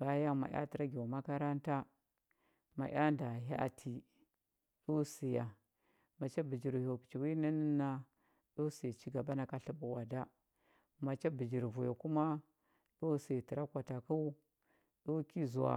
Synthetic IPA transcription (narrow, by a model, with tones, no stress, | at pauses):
ba˨˦ja˦ma̰˨ja̰˦ti˨ɾa˦ɡʲe˨ma˦ka˦ɾa˦nta˦ | ma̰˨ʔʲa˦nda˨ɦa˦a̰˨tʰi˨ | ɗu˦si˨ja˨ | ma˨t͡ʃa˦bi˨d͡ʒi˨ɾho˨ki̥˨t͡ʃi˨wi˦na˦nə˦na˦ | ɗu˦si˨t͡ʃi˦ɡa˨ba˦na˨ka˨ɬi˦ɓu˨wa˨da˦ | ma˨t͡ʃa˦bi˨d͡ʒi˨ɾvu˨jo˨ku˦ma˦ | ɗo˦si˨ti˨ɾa˦kʷa˨ta˨ku˦ | ɗo˦ki˦zu˨wa̰˨